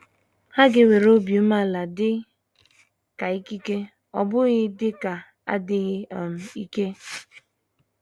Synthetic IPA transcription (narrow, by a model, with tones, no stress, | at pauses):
ha˦ɡɪ˦we˨ɾo˦bju˦ma˦˨la˨dɪ˦ | ka˨i˦ki˦ke˦ | ɔ˨bʊ˦ɣɪ˦dɪ˦ka˨ | a̰˦dɪ˦ɣɪ˦˨m̩˨i˦ke˦